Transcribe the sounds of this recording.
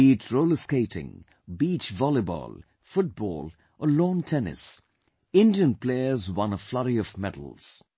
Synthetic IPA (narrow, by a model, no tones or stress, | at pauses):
iːtʰɹoʊləskeɪtɪ̰̃ŋ | bit͡ʃvɔlɪbɔ̰l | fʊt̚b̥ɔ̰ːl | ʔəlõːntʰɛnɪ̰s | ɪ̃ndiə̃npleɪəzwʌ̃nəflʌɾiɔvmɛdə̰l̩ˠz̥